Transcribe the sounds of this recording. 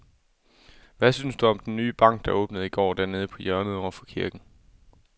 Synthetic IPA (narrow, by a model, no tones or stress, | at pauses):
ʋæsynsd̥uɒ̽md̥enːyːb̥ɑ̈ŋ̰ɡ̥̚d̥ɑ̈ʔɔ̽ːb̥nəð̩ˠiɡ̥ɒ̰ːd̥æɐne̝ːð̞̩ˠəpʰɒ̽jɶɐnəðˠɒɐfɒ̽kʰiɐɡ̥n̩